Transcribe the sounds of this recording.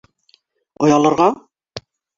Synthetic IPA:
ŏjɑlˠɤ̆ɾʁɑ

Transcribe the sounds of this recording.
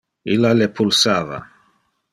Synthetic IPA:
ilːalepʰulsaːva̰

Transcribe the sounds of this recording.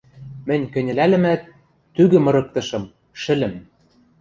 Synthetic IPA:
mɘ̆nʲkɘ̆nʲɘ̆lælɘ̆mæt̪ː | yɣɘ̆mɤ̆ɾɤ̆k̚t̪ɤ̆ʃɤ̆m | ʃɘ̆lɘ̆m

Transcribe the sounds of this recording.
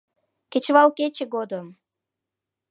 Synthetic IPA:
ket͡ɕβɑlˠket͡ɕeɡod̪əm

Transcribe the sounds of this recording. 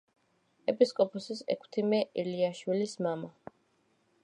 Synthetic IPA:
ɛpʼiskʼɔpʰɔsisɛ̰kʰt̪ʰimɛʔiliaʃwilismama

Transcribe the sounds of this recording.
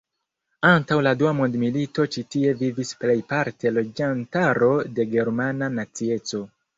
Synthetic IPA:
antawladuamo̞ndmilito̞t͡ʃitie̞vivisple̞jpaɾtʰe̞lo̞d͡ʒantaɾo̞de̞ɡe̞ɾmananat͡sie̞t͡so̞

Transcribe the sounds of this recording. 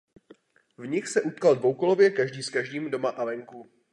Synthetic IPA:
vɲɪxsɛʔut̪kaldvowkolovjɛkaʒdiːskaʒdiːmdomaʔalɛŋku

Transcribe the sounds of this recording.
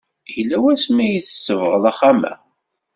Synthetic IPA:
jlːæwæsmæjiθə̥sːəvʁəlæχamæ̰

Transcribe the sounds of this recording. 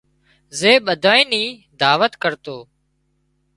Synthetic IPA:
zeːɓəd̪ʱaːĩːniː | d̪aːʋət̪kəɾt̪oː

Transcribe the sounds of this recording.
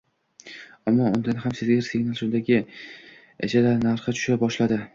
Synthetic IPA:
amːɒʊnd̪anɪhamsɪzɡʲɾsʰeŋnalˠʃʊnd̪aɡʲɪ | ḛd͡ʒʰadlanaɾχɨt͡ʃʰʊ̥ʃabɒʃlad̪ɪ

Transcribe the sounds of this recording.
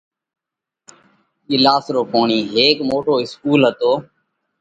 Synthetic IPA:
ɪlaːsɾoːpoːɳiːɦeːkmoːʈoːɪskuːlɦət̪oː

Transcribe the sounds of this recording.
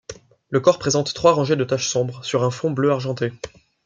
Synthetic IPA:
ləkɔʁpχezɑ̃t̪ːχwaʁɑ̃ʒed̪ət̪aʃsɔ̃bʁəsyʁɛ̃fɔ̃bløaʁʒɑ̃t̪e

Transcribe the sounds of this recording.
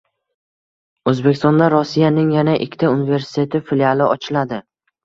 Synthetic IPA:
ɵzbekʲʰɪst̪ɒnd̪aɾɒsijanɪŋjanaʔɪ̰kʲʰːt̪ʰaunive̞ɾsɪ̥t̪ʰe̞t̪ʰɪfilialˠɪʔɒt͡ʃʰɪlad̪ɪ

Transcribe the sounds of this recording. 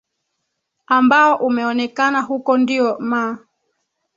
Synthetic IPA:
ambaɔʔumɛɔnɛkanaɦukɔndiɔma

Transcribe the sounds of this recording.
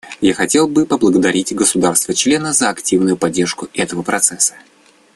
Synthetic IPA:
jaxɐtʲe̞lˠbɨpəblˠəɡəd̪ɐɾʲitʲɡəsʊd̪arst̪vət͡ɕlʲe̞nəzəɐktʲivnʊjʊpɐdʲːe̞rʂkʊɛt̪əvəpɾɐt̪sɛsːə̥

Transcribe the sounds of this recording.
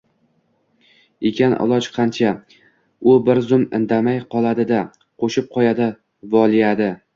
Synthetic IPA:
ekʲʰanʔɒ̰lˠɒt͡ʃqʰɑnt͡ʃʰa | ʊbɪɾzʊmɪ̰nd̪amajqʰɒlˠad̪ɪd̪a | qʰoʃɪp̚qʰɒjad̪ɪ | vɒlˠijad̪ɪ

